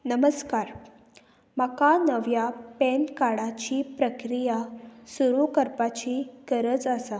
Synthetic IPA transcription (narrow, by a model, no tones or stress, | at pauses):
nəməskaɾ | makanəʋjapɛnkaɽat͡ɕiːpɾəkɾijasuɾukəɾpat͡ɕikəɾət͡sasa